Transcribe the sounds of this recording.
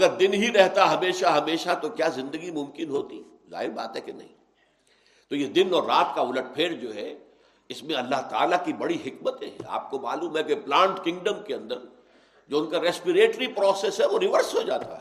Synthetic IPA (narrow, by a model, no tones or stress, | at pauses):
ɐɡəɾd̪ɪnɦiɾɛɦt̪aɦɐmeːʃaɦɐmeːʃat̪okjaːzɪ̃nd̪əɡimʊ̃mkɪnɦoːt̪i | za̰ːɦɪɾba̰ːt̪ɦɛkenɐ̰ɦḭ̃ː | t̪ojed̪ɪnɔːɾːaːt̪kaʊləʈ̚pʰeːɽd͡ʒoːɦɛ | ɪsmẽɐlːaɦt̪a̰ːlakibɐɽiɦɪkmət̪ɛ̰̃ɛ̰a̰ːp̚koma̰ːluːmɦɛkeplãːɳʈkɪ̃ŋɡɖəmkeɐ̃nd̪əɾ | d͡ʒoːʊnkaɾɛːspiɾeːʈɾipɾɔːseːsɦɛʋoɾɪʋəɾsɦod͡ʒaːt̪a̰ɦɛ